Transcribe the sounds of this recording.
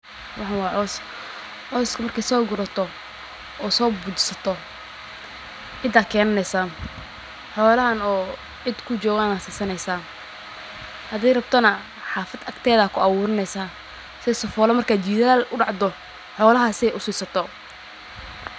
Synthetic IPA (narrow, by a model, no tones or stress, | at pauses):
wʔɑħɑwɑːʕɔːs | ʕɔːskʰɐmɐrkʰɛjsɔːɡʊɾɐt̪ʰɔ | ʔɔːsɔːbuːt͡ʃɪsɐt̪ʰɔ | ʕɪd̪aːkʰɛːnɐnɛjsaːn | ħɔːlɐɦɐnɔː | ʕɪd̪kʰʊt͡ʃɔːɣaːnaːsiːsɐnɛjsaː | hɐðɛjrɐb̚t̪ʰɔnɐ | ħɑːfɐd̪ɐkt̪ʰɛːðɐkʰʊɑwʊːɾɪnɛjsaː | sɪɛsɔfɔːlɐmɐrkʰaːt͡ʃiːðaːlʔʊɖɑʕd̪ɔ | ħɔːlɐɦasɪɛjʔʊsiːsɐt̪ʰɔ